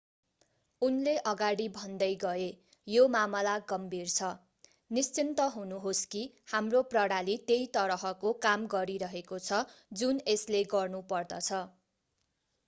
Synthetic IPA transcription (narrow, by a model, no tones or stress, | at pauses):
unleʔʌɡaɽibʱʌnd̪ʌjɡʌe | jomamʌlaɡʌmbʱirt͡sʰʌ | nist͡sint̪ʌɦunuɦoski | hamroprʌɽalit̪ejt̪ʌɾɦʌkokamɡʌɾiɾʌɦekot͡sʰʌd͡zunesleɡʌrnupʌrd̪ʌt͡sʰʌ